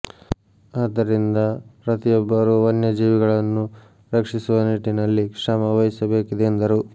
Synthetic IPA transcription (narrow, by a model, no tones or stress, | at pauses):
aːd̪ɐɾind̪ɐɾɐt̪ijɔbːɐɾuɐnjɐd͡ʒiːʋiɡɐɭɐnːu | ɾɐkʂisuʋɐniʈːinɐlːikʂɐmɐʋɐjisɐbe̞ːkid̪eːnd̪ɐɾu